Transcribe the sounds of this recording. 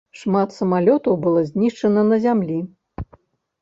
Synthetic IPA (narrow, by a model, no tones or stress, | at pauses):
ʂmat̪sɐmalʲɔt̪ɐwbɨlˠɔzʲnʲiʂt͡ʂɐnɐnɐzʲamlʲi